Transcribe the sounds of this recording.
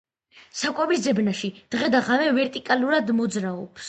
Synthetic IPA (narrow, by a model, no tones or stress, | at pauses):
sakʼɛbisd̪zɛbnaʃid̪̥ʁɛd̪aʁamɛvɛɾt̪ʼikʼaluɾad̪mɔd̪zɾaɔps